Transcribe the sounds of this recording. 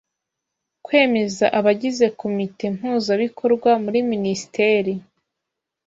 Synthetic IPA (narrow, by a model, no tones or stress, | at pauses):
kwe̞ːme̞zaʔaβaɟize̞kʰo̞mite̞m̥uːzaβikʰo̞ɾɡwamuɾiminisi̥te̞ːɾi